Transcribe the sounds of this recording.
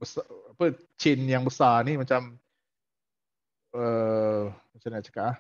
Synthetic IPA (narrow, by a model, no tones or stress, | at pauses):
sapɯt̪̚ | t͡ɕʰinjaŋbusaːniːmat͡ɕam | ʔɤː | t͡ɕʰanat͡ɕʰḁka